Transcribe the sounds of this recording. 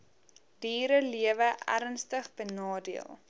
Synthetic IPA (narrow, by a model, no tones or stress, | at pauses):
diːɾəliəvəʔæ̰ɾnstəχbənɑːdiəlˠ